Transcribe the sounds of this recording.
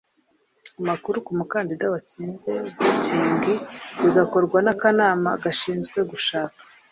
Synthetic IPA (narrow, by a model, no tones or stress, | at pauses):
umakuɾukumukaːndidawat͡siːnze̞utiːŋɡiβiɡako̞ɾɡwanakanaːmaɡaʃiːnzɡwe̞ɡuʃaːkḁ